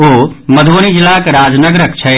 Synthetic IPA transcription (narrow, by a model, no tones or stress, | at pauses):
oːmɐd̪ʱoːnid͡ʒɪlakeɾaːd͡ʒnəɡɾəkt͡ʃʰɐ